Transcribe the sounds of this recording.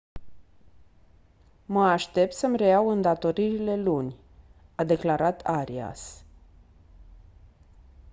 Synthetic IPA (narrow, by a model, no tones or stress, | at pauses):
məaʃt̪e̞p̚t̪səmre̞awɨnd̪at̪o̞ɾiɾile̞lunʲ | ad̪e̞klaɾat̪ʰaɾia̰s